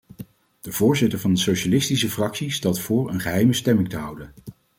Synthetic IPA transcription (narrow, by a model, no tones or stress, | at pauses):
d̥əvʊːɹzɪtəɹvɑndəsoʃalɪstisəfrɑksistɛlˠtfʊːɹə̰nχəɦɛjməstɛmɪŋtəɦʌwdən